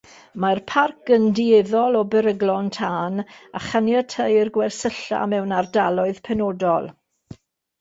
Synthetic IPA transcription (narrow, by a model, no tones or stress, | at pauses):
marpʰark̚ɡəndieðɔlˠɔbəɾəɡlˠɔntʰaːnaχanjatʰəjrɡwɛrsəɬa̰mɛwnardalˠɔɨð̥pʰɛnodɔlˠ